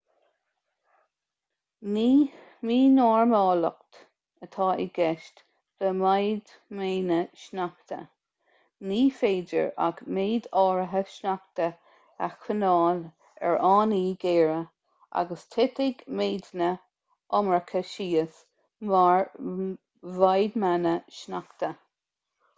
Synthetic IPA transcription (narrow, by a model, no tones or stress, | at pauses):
niːmiːnɔːɹmɑːlə̰kt̪ | ət̪ʰɑːʔiɡɛʃt | ð̥əmajd̪ | meːnəʃnakt̪ə̰ | niːfeːdə̰ɹa̰ɡmeːd̪ɑːɹəɦəʃnak̚t̪ə | axʰənɑːl | ɛ̰ɹʔɑːniːɡeːɹə | ʔa̰ɡəst̪ʰɪt̪ɪɡmeːd̪nə | ʔɔmɹəkʰəʃiːəs | maɹ | vajd̪manəʃnakt̪ə